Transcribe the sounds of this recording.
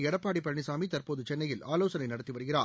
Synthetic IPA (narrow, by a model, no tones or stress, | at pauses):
ɛɽɐpːaːɽipːɐɐɳɪsaːmit̪ɐrpoːðɯt͡ʃɛnːɐjɪlʔaːloːsɐnɐɪnɐɽɐt̪ːiʋɐɾɯɣɪraː